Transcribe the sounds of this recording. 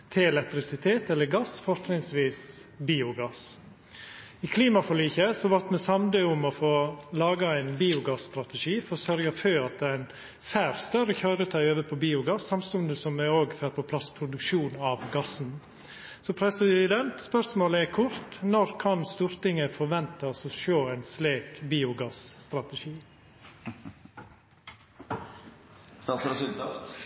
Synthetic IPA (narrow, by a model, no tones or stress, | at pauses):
t̪ʰɪɛlɛk̚t̪ɾɪsɪt̪ʰeːt̪ɛlːəɾɡɑsfɔɾt̪ɾɪŋsʋiːsbiːʊɡɑs | ɪkʰliːmɑfɔɭiːçəsɔʋɑɾt̪mɛsɑmd̪øʊmɔfoːlɑːɡɑæɪnbiːʊɡɑsst̪ɾɑt̪ɛʂiːfɔɾsœɾɡɑføːɑt̪̚d̪ɛæɪn | fæːɾst̪œɾəçɑːɾət̪ʰɑøːʋəpʰɔbiːʊɡɑsːɑmst̪ʉnd̪əsɔmːɛoːɡføːɾpʰɔpʰlɑspʰɾʊd̪ʉkʂuːnɑʋɡɑsn̩ | sɔpʰɾɛsəd̪ɛnt̪spœɾsmoːləɛkʰʊɾt̪nɔɾkʰɑnst̪uːɾt̪ɪŋəfɔɾʋɛnt̪ɑsɔʃoːæɪnsleːkbiːʊɡɑsst̪ɾɑt̪əʂiː | st̪ɑɾsɪt̪